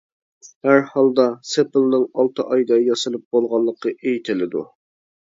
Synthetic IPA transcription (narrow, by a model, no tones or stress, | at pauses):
hæɾhɑlˠd̪ɑsepɨlˠnɨŋɑlˠt̪ʰɨʔɑjd̪ɑjɑsɨlˠɨp̚b̥olˠʁɑlˠːəqːəʔejt̪ʰɪlɪd̪ṵ